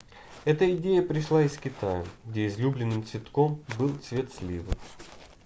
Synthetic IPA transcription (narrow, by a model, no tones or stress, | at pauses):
ɛt̪əɪdʲejəpɾʲɪʂlˠaɪskʲɪt̪ajə̰ɡdʲeɪzlʲublʲɪnːɨmt̪svʲɪt̪kombɨlˠt̪svʲe̞t̪sʲlʲivɨ